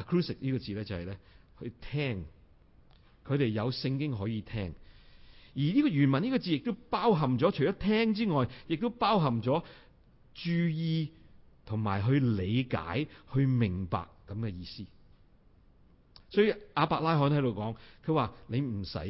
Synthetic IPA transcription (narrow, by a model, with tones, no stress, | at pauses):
a˨kʰɹuː˥sɪ˨k̚niː˥kɔː˧t͡siː˨lɛː˥t͡sɐ˨hɐ˨jlɛː˥hɵ˧t̪ʰɛː˥ŋ | kʰɵ˨˧ɥɾe˨jjɐ˨˧wsɪ˧ŋkɪ˥ŋɦɔː˨˥jiː˨˧t̪ʰɛː˥ŋ | jiː˨˩niː˥kɔː˧ɥyː˨˩nmɐ˨˩niː˥kɔː˧t͡siː˧jɪ˨k̚t̪o˥wpaː˥wɦɐ˨˩mt͡sɔː˨˥t͡ʃʰɵ˨˩jt͡ʃɔː˨˦˥t̪ʰɛː˥ŋt͡siː˥ŋɔː˨jjɪ˨k̚t̪o˥wpaː˥wɦɐ˨˩mt͡sɔː˨˥ | t͡ʃyː˧jiː˧ | t̪ʰʊ˨˩ŋmaː˨˩jɦɵ˧ɥle˨˧jka̰ː˨˥jhɵ˧ɥmɪ˨˩ŋpa̰ː˨kːɐ˨˥mkɛ˧jiː˧siː˥ | sɔː˨˥jy˨˧ʔaː˨˧paː˧˥k̚laː˥jɦɔː˨˥nhɐ˨˥jd̪o˨˧wkɔː˨˥ŋkʰɵ˨˧waː˨˩ne˨˧jm̩˨˩sɐ̰˨˥